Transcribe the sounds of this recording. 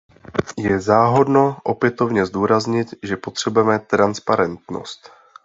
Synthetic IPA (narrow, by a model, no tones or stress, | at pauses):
jɛzaːɦo̞dno̞ʔo̞pjɛt̪o̞vɲɛzd̪uːɾazɲɪt̪ʒɛpo̞t̪r̝̥ɛbujɛmɛt̪ɾanspaɾɛnt̪no̰st̪